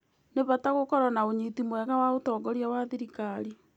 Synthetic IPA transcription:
neβataɣokɔɾanaoɲitimwɛɣawaotɔːɡɔɾjawaðiɾikaɾi

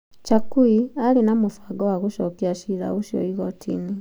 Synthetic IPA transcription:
t͡ʃakuialinamufaɡɔwaɣuʃɔkiaʃiɾa̰ɣuʃjo̰iɣotʰḭni

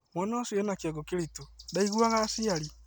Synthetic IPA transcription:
mwɔnasiɛnakjɔɡokeɾitodaiɣwaɣasiaɾi

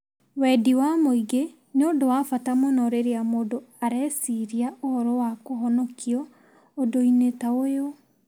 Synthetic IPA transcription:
wɛdiwamoiɡe | noːdowafatamɔnɔɾeɾeamoːdoaɾɛsiɾiaʔohɔɾɔwakoɦɔnɔkʰiɔː | doinetaojo

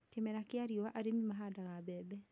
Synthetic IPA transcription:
kemɛɾakeaɾiɔwaʔaɾemimaɦadaɣabɛːbɛ

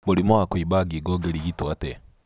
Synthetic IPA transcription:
muɾimoakwibaɡiɡɔɡeɾiɡitwate

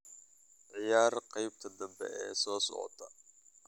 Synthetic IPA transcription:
ʕɪjaːrqɑjb̚t̪ʰɐd̪ɐmbɛ̰ʔɛːsɔːsɔ̰ʕɔ̰t̪ʰɐ

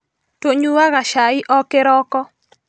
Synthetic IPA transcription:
toɲuwaɣaʃaɪʔɔkeɾɔkɔ

